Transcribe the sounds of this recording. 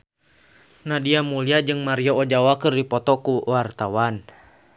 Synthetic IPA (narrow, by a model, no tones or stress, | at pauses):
nahdiamuliad͡ʒɨŋmaɾiɔɔd͡ʒawakɨrdipɔt̪ɔkuwart̪awan